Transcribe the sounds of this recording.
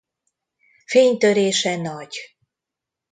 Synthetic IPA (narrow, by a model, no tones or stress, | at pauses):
feːɲt̪øɾeːʃɛnɒɟ